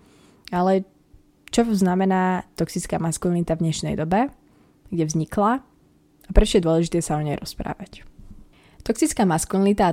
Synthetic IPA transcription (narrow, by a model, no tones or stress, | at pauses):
alɛ | t͡ʃɔznamɛnaːt̪ɔksit͡skaːmaskunalit̪avd̪ɲɛʃnɛ̰jd̪ɔbɛ | ɡɟɛvzɲikla | apɾɛt͡ʃɔjɛd̪ʊɔlɛʒit̪ɛːsaɔɲɛjɾʔɔspɾa̰ːʋac | t̪ɔksit͡skaːmaskunalit̪a